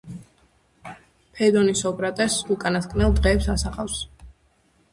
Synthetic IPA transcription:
pʰɛd̪ɔnisɔkʼɾat̪ʼɛsukʼanaskʰʼnɛlˠd̪ʁɛːpsasaχafs

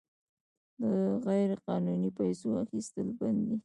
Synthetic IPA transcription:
d̪əɣajɾqɑnunipajsoaxist̪əlband̪i

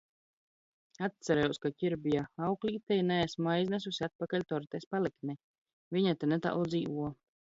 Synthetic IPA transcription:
at̪saɾɛjɛwskacʲiɾbijaawklʲiːt̪ɛjnɛːsmajzʲnɛs̬usʲiat̪̚pakalʲt̪ɔɾt̪ɛspaliknʲɛ | viɲat̪enɛt̪a̰lˠd̪ziːvuɔ

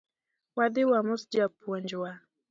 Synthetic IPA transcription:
wadiwamusd͡ʒapɔnd͡ʒwa

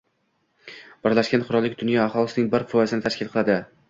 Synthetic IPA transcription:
b̥ɪɾlaʃkʲanqʰʊɾɒlːɪk̚ʲd̪ʊnjɒaχɒlˠɪsɪnɪŋbɪɾfɒjazɪnɪt̪ʰaʃkʲɪlˠqʰɨlˠad̪ɪ

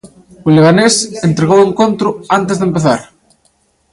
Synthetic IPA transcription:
oleɣ̞anesent̪ɾeɣoweŋkont̪ɾʊant̪̬ezðempeθa̰ɾ

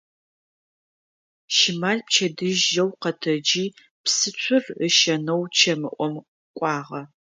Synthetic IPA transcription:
ʃɪmaːɮp̚t͡ʃʰɐdɨʒːɐwqɐtʰɐd͡ʒiː | psɨt͡ɕʷʰʊrəʃɐnɐwt͡ʃʰɐmɨʔʷɔm | kʷʼɑːʁɐ

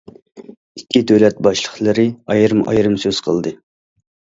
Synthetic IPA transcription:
ikʲːid̪ølɛt̪̚bɑʃlˠəχlˠɨɾɨɑjɾɨmɑ̰jɾɨmsøz̥qʰəlˠd̪ɨ

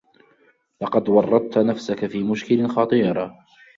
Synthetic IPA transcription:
lɑqɑd̪wɑrˤːɑd̪̚t̪nafsakafiːmʊʃkɪlɪnxɑt̪ˤɨːɾˤ

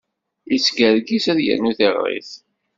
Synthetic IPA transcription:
isɡəɾɡisæðjæ̰nːuθeʁɾḭθ

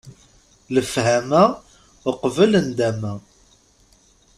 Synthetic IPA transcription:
ləfhæmæ | əqvələnd̪æmæ

